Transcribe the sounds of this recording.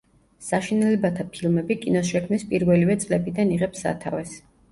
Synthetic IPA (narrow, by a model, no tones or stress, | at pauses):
saʃinɛlɛbat̪ʰapʰilˠmɛbikʼinɔsʃɛkʰmnispʼiɾvɛlivɛt̪sʼlɛbid̪aniʁɛpsa̰t̪ʰa̰vɛs